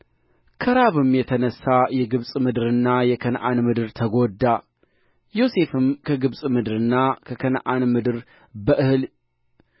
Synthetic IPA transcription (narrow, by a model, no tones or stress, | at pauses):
kʰəɾaβɨmjɛt̪ʰənəsːajɛɡɨβsʼmɨd̪ɨɾɨnːajɛkʰənʔanmɨd̪ɨɾt̪ʰəɡod̪ːa | jo̞se̞fɨmkʰəɡɨβsʼmɨd̪ɨɾɨnːakʰəkʰənʔanmɨd̪ɨɾ | bəʔɨhɨl